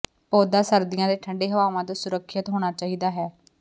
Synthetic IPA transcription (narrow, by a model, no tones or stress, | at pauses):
pɔːd̪aːsəɾd̪ɪjãːd̪eːʈʰəɳɖeːɦəʋaːʋãːt̪oːsʊɾəkʰːjət̪ɦoːɽ̃aːt͡ʃaːiːd̪aːɦɛː